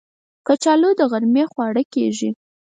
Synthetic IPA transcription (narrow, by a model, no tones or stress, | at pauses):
kət͡ʃɑlod̪əɣaɾmexwɑɽəkeʒi